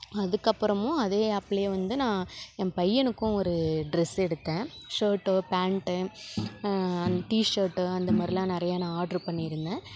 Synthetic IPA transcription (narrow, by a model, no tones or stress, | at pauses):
ɐðɯkːɐpːɯɾɐmʊ̃ɐðeːɐpːlejɐʋɐnd̪ɯnãːɛmpɐjːɐnɯkːʊ̃ɔɾɯɖɾɛsɛɽɯt̪ːẽːʂɐːʈːpaːɳʈɯ | ɐʈiːʂɐːɾʈːɐnd̪ɐmaːd̪ɾɪlãːnɪɾɐjaːnãaːɾɖɐɾpɐɳːɪɪɾɯnd̪ẽː